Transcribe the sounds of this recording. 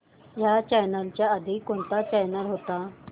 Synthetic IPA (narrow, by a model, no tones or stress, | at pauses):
jat͡ɕɛjnəlt͡ɕjaəd̪ʱikːoɳt̪at͡ɕɛjnəlɦot̪a